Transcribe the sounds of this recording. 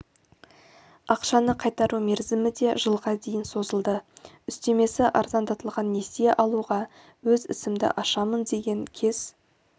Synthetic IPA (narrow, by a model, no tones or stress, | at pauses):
ɑqʃɑnəqʰɑjt̪ɑɾume̞ɾzɪmɪd̪e̞ʒəlˠʁɑd̪e̞jɪnso̞zəlˠd̪ə | ʏst̪e̞me̞sɪʔɑɾzɑnd̪ɑt̪əlˠʁɑnːe̞sie̞ʔɑlˠuʁɑ | wɵzɪ̰sɪmd̪ɪ̰ʔɑʃɑmənd̪e̞ɡʲe̞ŋkʲʰe̞z̥